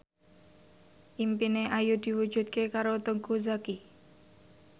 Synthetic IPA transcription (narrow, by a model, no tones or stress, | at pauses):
ʔimpineʔajud̪̥i̤wu̥ʒ̥ṳt̪̚kekaɾot̪uŋkuzaki